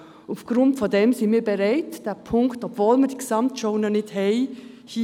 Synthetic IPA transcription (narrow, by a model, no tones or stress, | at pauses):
ufɡ̥ɾʊntfɔdɛmsinmiːbɛɾaɪtd̥ɛːpʰʊŋktɔpvoːlmədiksɑmtʃoʊnənɪdhɛɪ | hi